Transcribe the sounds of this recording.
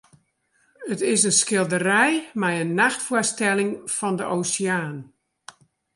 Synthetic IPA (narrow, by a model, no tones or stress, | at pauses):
ətɪsənskɪlˠdərɛjmɛjənːaxtfʊəstɛlɪŋfɔndəʔowsiaːn